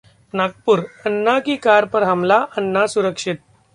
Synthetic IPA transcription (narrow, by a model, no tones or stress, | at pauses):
nak̚puːɾənːakiːkaɾpəɾɦamlaʔənːasuɾəkʂit̪̚